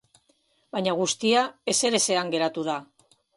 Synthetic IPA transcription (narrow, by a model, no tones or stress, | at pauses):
baɲaɣ̞ust̪iae̞se̞ɾe̞se̞aŋɡe̞ɾat̪uð̞a